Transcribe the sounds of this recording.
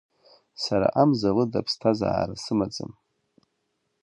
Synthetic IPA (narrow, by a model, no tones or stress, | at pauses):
saɾa̰ʔamzalɨdapʰstʰaza̰ːɾɨsɨmat͡sʼɨ̰m